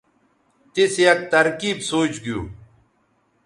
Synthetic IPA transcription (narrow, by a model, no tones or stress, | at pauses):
t̪isjɐk̚t̪ɐɾkiːbsoːt͡ɕɡijṵː